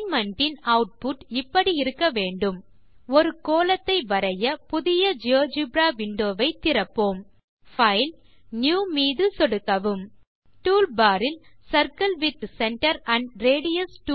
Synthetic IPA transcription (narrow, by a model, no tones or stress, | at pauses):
mɐnʈɪnɐʊʈ̚pʊʈɪpːɐɽiɪɾɯkːɐʋeːɳɖɯm | ɔɾɯkoːlɐt̪ːɐɪʋɐɾɐjɐpʊðɪjɐd͡ʒoːd͡ʒɯbɾaːʋɪɳɖoːʋɐɪt̪ːɪɾɐpːoːm | fɐɪl | njuːmiːðɯsɔɽɯkːɐʋɯm | ʈuːlbaːɾɪlsɐɾkɐlʋɪt̪sɛɳʈɐɾɐɳɖɾeːɽɪjɐsʈː